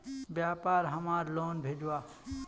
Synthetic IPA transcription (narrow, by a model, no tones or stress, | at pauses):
bjaːpaːɾɦəmaːɾloːnbʱeːd͡ʒwaː